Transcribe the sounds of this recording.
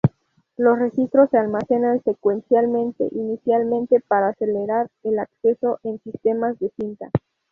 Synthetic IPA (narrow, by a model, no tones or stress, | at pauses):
lo̞sre̞xist̪ɾo̞sːe̞almase̞nanse̞kwe̞nsjalmẽ̞nt̪e̞̰ʔinisjalmẽnt̪e̞paɾaːse̞leɾaɾelakse̞so̞ʔensist̪e̞mazðe̞sint̪a